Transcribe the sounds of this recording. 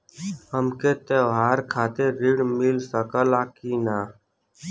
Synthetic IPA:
həmket̪eɦaːɾkʰaːt̪eɾiɽmilsəkəlaːkiːnaː

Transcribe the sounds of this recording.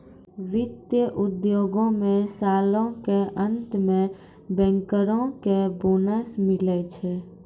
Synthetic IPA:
ʋɪt̪jəʔud̪joɡõmẽsalõkeʔənt̪mẽ | bɛ̃ŋkəɾõkebonəsmilɛt͡ʃʰɛ

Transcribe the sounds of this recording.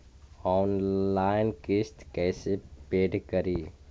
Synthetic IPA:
ɔːnlaːɪnkɪst̪kɛːsepeːɖkəɾiː

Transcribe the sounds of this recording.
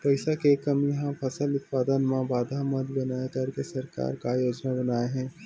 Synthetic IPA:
pɐɪsakekɐmjɐɦãpʰɐsəlʊt̪paːd̪ənmãbaːd̪ʱamɐd̪bɐnaːet̪aːɾkesɐɾka̰ːɾkajoːd͡ʒnabɐnaːeɦɛ̃ː

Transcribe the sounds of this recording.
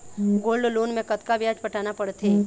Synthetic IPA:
ɡoːlɖloːnmẽkɐt̪kabjaːt͡ʃpɐʈʰaːnapɐɽt̪ʰeː

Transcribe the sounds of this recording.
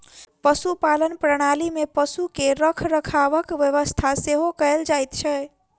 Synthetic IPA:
pəsupalənpɾəɽ̃alimepəsukeɾəkʰɾəkʰaʋəkʋjəʋəst̪ʰaseɦokəeld͡ʒajt̪t͡ʃʰɛ

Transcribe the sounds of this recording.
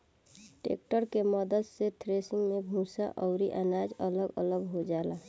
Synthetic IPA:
ʈḛk̚ʈəɾkeməd̪əd̪set̪ʰɾesiŋɡmebʱũsaʔɔʊɾiʔənad͡ʒələɡə̰ləɡɦod͡ʒala

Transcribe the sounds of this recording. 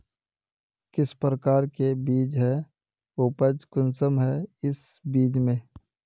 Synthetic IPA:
kɪspɾəkaːɾkebiːd͡ʒɦɛ | ʊpəd͡ʒkʊnsəmɦɛɪsbiːd͡ʒmẽː

